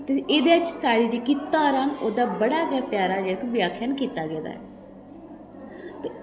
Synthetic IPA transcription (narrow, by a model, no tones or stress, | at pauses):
t̪eeːd̪eːət͡ʃsaːɽiːd͡ʒeːkɪt̪ːaːɾaːnoːd̪aːbəɽaːkaːpjaːɾaːd͡ʒeːəkʋjaːkʰjənkiːt̪aːɡɛːd̪a̰ːɛː | t̪e